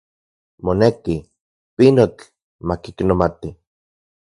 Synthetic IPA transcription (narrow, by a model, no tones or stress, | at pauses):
moneki | pinot͡ɬ | makiknomat̪i